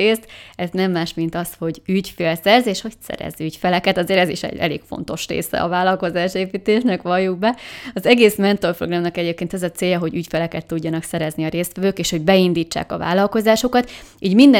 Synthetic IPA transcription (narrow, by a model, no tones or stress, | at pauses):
eːst̪ɛznɛmːaːʃmint̪ɒsho̞ɟycfeːlsɛrzeːʃho̞csɛ̰ɾɛ̰zycfɛlɛkɛt̪ɒzeːɾɛziʃɛ̰ɟɛ̰lḛːkfo̞̰n̪t̪o̞ʃrḛːsɛ̰ɒ̰vaːlːɒlko̞zaːʃeːpiːt̪eːʃnɛkʋɒjːuɡ̚bɛɒzɛɡeːsmɛnt̪o̞rproɡrɒmnɒkɛɟeːp̚keːnt̪ɛzɒt̪seːjɒɦo̞ɟycfɛlɛkɛt̪ːuɟːɒnɒksɛɾɛzniɒɾeːst̪ʋɛvøːkeːʃho̞ɟbɛind̪iːt͡ʃːa̰ːkɒ̰va̰ːlːɒlko̞zaːʃo̞kɒt̪iːɟmind̪ɛ